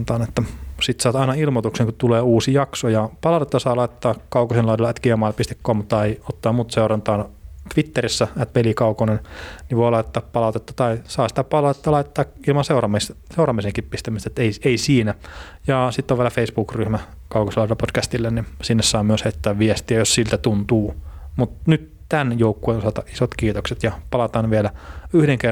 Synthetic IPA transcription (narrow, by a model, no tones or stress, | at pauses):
nt̪ɑːnet̪ːæsit̪sɑːt̪ɑinɑilmot̪ukseŋkut̪uleːuːsijɑksojɑpɑlɑut̪et̪ːɑsɑːlɑit̪t̪ːɑːkɑukosinlɑˑidelːɑæt̪kiæmɑilpist̪ekːoːmut̪ːɑeiot̪ːɑːmuːt̪seurɑnt̪ɑːnt̪ʋit̪ːerisːææt̪pelikɑukonenniʋʋoˑilɑit̪et̪ːɑːppɑlɑˑut̪et̪ːɑ̥t̪ɑisɑːsi̥t̪æpɑlɑt̪ːɑlɑit̪et̪ːɑːk | ilmɑnseurɑmisseurɑmːiseŋkippist̪æmist̪æt̪eieisiːnæ | jɑsit̪ːoʋielæfeisbuːkryhmæ | kɑukoselːɑselːpotkæst̪ilːennisinːessɑːmyøsheit̪ːæːʋʋiɛst̪iæjossilt̪æt̪unt̪uːmut̪nyt̪ | t̪ænjoukːueonsɑt̪ɑʔisot̪kiːt̪okset̪jɑpɑlɑt̪ɑːnʋiɛlæyhɾeŋker